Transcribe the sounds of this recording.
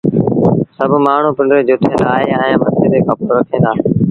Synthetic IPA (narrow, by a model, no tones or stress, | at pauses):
səbʱmaːɳ̤ũːpɪɳɖɾeːd͡ʒʊːt̪ʰẽːnd̪aːɦeːəẽːmət̪ʰeːɾeːkʰəpɾət̪ʰĩːnd̪aː